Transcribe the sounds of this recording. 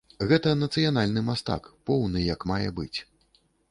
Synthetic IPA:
ɣɛt̪ɐnɐt̪sɨjanalʲnɨmast̪a̰kpɔwnɨjɐkmajɛ̰bɨt͡sʲ

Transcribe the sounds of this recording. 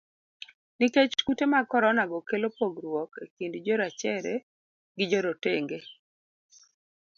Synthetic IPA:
niket͡ʃkutemakɔɾɔnaɡɔkelopoɡɾwɔkekindd͡ʒɔɾat͡ʃɛɾe | ɡɪd͡ʒɔɾoteŋɡe

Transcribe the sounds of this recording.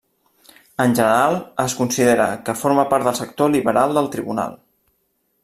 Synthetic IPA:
ənʲʒənəɾalˠəskunsiðeɾə̰kəfoɾməpaɾt̪d̪əlˠsək̚t̪oliβəɾalˠd̪əlˠt̪ɾiβuna̰lˠ

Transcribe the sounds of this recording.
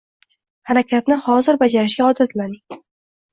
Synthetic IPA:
haɾakʲat̪nɪhɒzɪɾbad͡ʒaɾɪʃ̬ɡʲaɒd̪at̪manɪ

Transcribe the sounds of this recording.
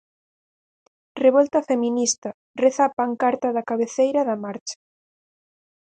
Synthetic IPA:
reβolt̪ɐfeminist̪ɐ | reθapaŋkaɾt̪ɐðɐkaβeθejɾɐðɐmaɾt͡ʃḁ

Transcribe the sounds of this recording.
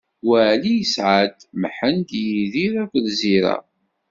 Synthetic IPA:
wæʕlijəsʕad̪məħənd̪jiðiɾækəlziɾa̰

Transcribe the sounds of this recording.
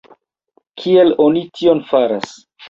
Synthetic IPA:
kʰielo̞nitʰio̞nfaɾas

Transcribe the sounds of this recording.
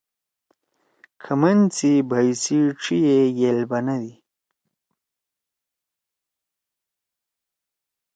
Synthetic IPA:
kʰamɐnt͡sibajsiʈ͡ʂʰijejelbanad̪i

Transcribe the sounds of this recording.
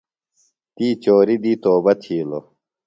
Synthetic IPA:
t̪iːt͡ɕoːɾid̪iːt̪oːbɐt̪ʰiːlo̰

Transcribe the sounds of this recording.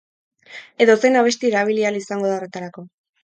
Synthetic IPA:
e̞ðo̞senaβ̞e̞st̪ieɾaβ̞ilialisaŋɡo̞ðao̞re̞t̪aɾako̞

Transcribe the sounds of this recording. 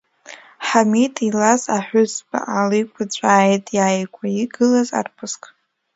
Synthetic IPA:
ħamitʼilazaħʷᶣʊzba̰ʔalijkʷʰat͡ɕʷʼaːjtʼjaːjkʷʰʼaiɡɨlaza̰rpʰɨskʼ

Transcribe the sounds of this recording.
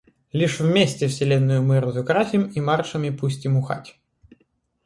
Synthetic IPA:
lʲiʂwmʲɛsʲt͡sʲɛwsʲɛlʲɛnːʊjʊmɪɾʊzʊkɾafʲimimart͡ʂɐmʲipusʲtʲimʊxa̰tʲ

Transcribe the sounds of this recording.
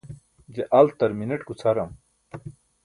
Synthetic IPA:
d͡ʑeʔɐlt̪ɐɾmineʈkut͡sʰɐɾɐm

